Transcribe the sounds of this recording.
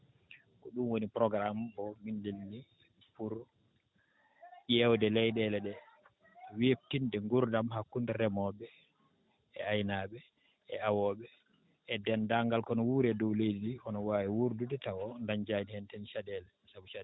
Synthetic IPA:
kɔɗumwonipɾɔɡɾambɔmindilni | puɾ | jɛwdɛlɛjɗɛlɛɗɛ | wep̚tindɛŋɡuɾdamhakːundɛɾɛmɔɓɛ | ɛ̰ajnaɓɛ | ɛawɔɓɛː | dɛndaŋɡalkɔnɔwuːɾɛdɔwlejdidiɔnɔwaːwiwuɾdudɛtawɔndand͡ʒadihɛntɛnʃadɛlɛsabuʃa

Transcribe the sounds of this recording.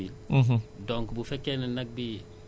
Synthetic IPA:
il̩ɦdɔŋkbufɛkːenɐnɐk̚bi

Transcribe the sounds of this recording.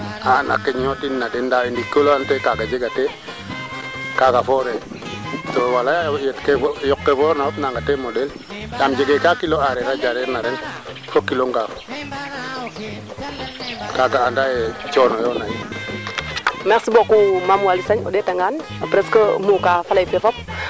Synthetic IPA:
ana̰kːeɲjotinːadendawindikːoloantekaɡad͡ʒeɡate | kakafoɾe | towalajajetkejokːevoɾnaopnaŋɡatemodel | jamd͡ʒeɡekakiloaɾeɾad͡ʒaɾeɾnaɾen | fokːiloŋɡafo̥ | kaɡaːndajet͡ʃɔnojonaji | meksibokumamwalisaɲoɗetaŋɡan | pɾeskomukafalaifefɔp̚

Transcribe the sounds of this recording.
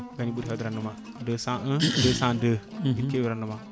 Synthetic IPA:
ɡaniɓuɾɦad̪əɾanəma | dəsãʔədəsãdəitewiɾanːəma

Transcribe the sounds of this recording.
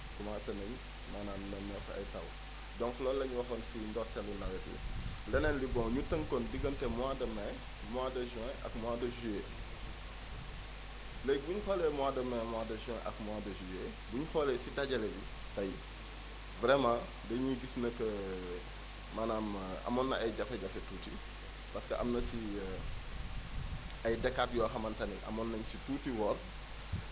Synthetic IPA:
kumaːsɐnɐɲ | manaːmnɐnɔkɐ̰jtɐ̰w | dɔ̃ŋklɔːlɐɲuwɐxɐnsindɔtɛlunɐwɛtṵlɛnɛnlibɔ̃ŋɲutəŋkɔndiɡɐntɛmwadɐmɛ | mwadɐʒɛ̃ɐ̰kmwaːdɐʒuje | lɛjbuɲuxɔlɛmwadɐmɛmwaːdɐʒɛ̃ʔɐ̰kmwadɐʒue | buɲxɔlɛsidɐɟɐlɛji | tɐj | vɾɛmãː | dɐɲiɡisnɐkːə | mɐnaːmɐ̰mɔnːɐɐjɟɐfɛɟɐfɛtuːti | pɐskəʔɐ̰mnɐsi | ɐjdɛkːaːt̚jɔːxɐmɐntɐnḭʔɐ̰mɔnːɐɲsituːtiwɔr

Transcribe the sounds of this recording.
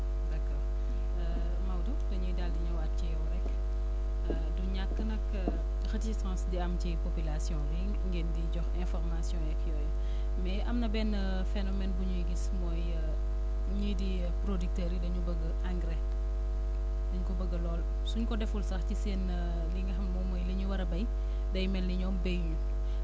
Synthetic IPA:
dɐkɔːr | mawdudɐɲujdaldiɲɐwat̚cijɔwɾɛk | duɲakːənɐk | xɐtiisãːsdiɐmcipopilasjɔ̃ɾiŋŋɡeːndiɟɔxɛ̃nfɔrmasjɔ̃jɛkjɔːj | mɛɐmnɐbɛnə | fɛnɔmɛnbuɲujɡismɔːj | ɲidi | pɾodik̚tɛɾidɐɲubɐɡɐʔaŋɡɾɛ | dɐɲukɔbɐɡəlɔːl | suɲkɔdɛfulsɐxciseːn | liŋɡɐxɐmːɔmɔjliɲuwɐɾɐbɐj | dɐjmɛlniɲɔːmbejɲu

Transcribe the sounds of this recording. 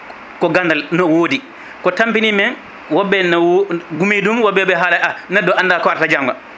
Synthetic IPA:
kɔɡandalnɔwoːdi | kɔtampinimɛn | wɔbːɛnwɡumidumwɔbːɛbɛɦaːlaanɛdːɔandakɔaɾtad͡ʒaŋɡa̰

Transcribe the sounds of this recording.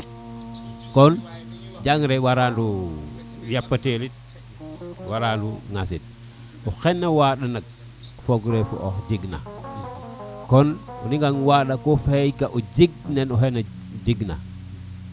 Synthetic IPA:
kond͡ʒaŋɾewaɾandu | japːatelit̚ | waɾanduŋasit̚ | uxenːawaɗanak̚ | foɡɾefṵʔoxd͡ʒiɡna̰ | konṵniŋɡaŋwaɗakofejkaʔud͡ʒiɡ̚nenuɦena | d͡ʒiɡna̰

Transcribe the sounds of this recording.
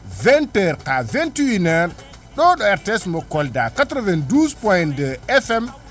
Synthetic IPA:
vɛntɛɾkavɛntiwinɛɾ | ɗɔɗɔɛɾtɛsmɔkɔldakatɾɔvɛnduspɔjndəɛfɛm

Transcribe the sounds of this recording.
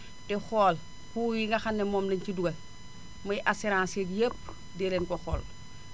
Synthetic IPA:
texoːl | kuːwiŋɡɐxanːemoːmleɲciduɡɐ | mojʔaseɾãːnseɡjep̚ | delenkoxɔːl

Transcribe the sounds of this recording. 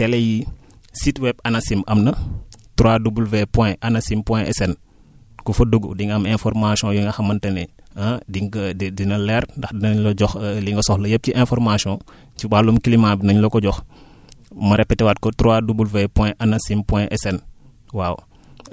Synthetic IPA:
tɛleji | sitwɛbɐnasimɐmnɐtɾoadubulvepɔ̃ʔanasimpwɛ̃ʔɛ̰sɛn | kufɐduɡṵdiŋɡɐmɛ̃fɔɾmasiɔ̃juŋɡaxɐmɐntɐnɛ | adiŋɡdinɐlɛɾndɐxdinɐɲloɟɔxliŋɡɐsɔxlɐjəp̚kiʔɛ̃nfɔɾmasiɔ̃ | cibalumkilimabinɐɲlokɔɟɔx | mɐɾɛpːɛtɛwat̚kɔtɾoadubulvepɔ̃ʔanasimpwɛ̃ʔɛsɛn | waːw

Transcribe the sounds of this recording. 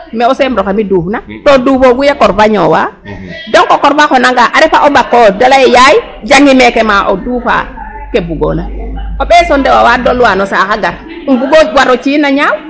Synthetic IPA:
mɛɔsɛmɾɔkamiduːfnatɔdufoɡujakɔɾfaɲɔwadɔŋkɔkɔɾfakɔnaŋɡaʔaɾɛfaʔɔbakːɔdalajɛjaji | d͡ʒaŋɡimɛkɛmaʔɔduːfa̰ | kebuɡo̰naɔɓɛsɔndɛwawadɔlwanɔsakaɡaɾ | buɡowaɾɔt͡ʃinaɲaw

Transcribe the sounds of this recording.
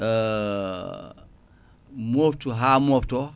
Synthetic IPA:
moːftuɦamofto

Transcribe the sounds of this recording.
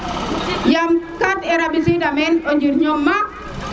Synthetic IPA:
jamkatɛɾabisidamɛnɔɲd͡ʒiɾɲɔmːa

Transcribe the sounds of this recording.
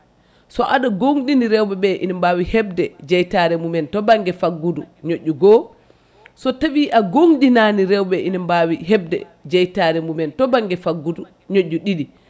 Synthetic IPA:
sɔʔaɗaɡoŋɗiniɾɛwɓɛɓɛʔḭnimbawihɛb̚dɛd͡ʒɛjtaɾɛmumɛntɔbaŋɡɛfaɡːuduɲoʔːuɡɔ | sɔtawiʔaɡoŋɗinaniɾɛwɓɛʔinimbawiɦɛb̚dɛ̰ | d͡ʒɛjtaɾɛmumɛntɔbaŋɡɛfaɡːudu | ɲoʔːuɗiɗi

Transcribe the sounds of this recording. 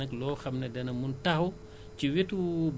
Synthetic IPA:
ɐklɔːxɐmnɐdɐnɐmuntɐhw | ciwetub

